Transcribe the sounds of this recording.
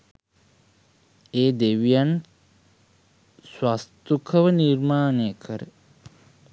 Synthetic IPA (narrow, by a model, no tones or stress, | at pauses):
eːd̪eʋjan | swast̪ukʰɐʋɐniɾmaːnekʰəɾe